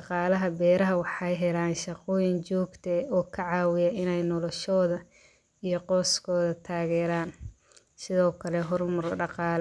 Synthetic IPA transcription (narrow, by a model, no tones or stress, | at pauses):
ʃɑqɑːlɐɦɐbɛːɾɐɦɐwɑħɑjɦɛlaːnʃɑqɔːjɪnt͡ʃɔːɡt̪ʰɐɔːkʰɐʕɑːwɪjɐɪnɛjnɔlɔʃɔːðɐ | ijɔqɔːskʰɔːðɐt̪ʰaːɣɛːɾaːn | sɪðɔːkʰɐlɛɦɔrmɐrɖɑqɑːl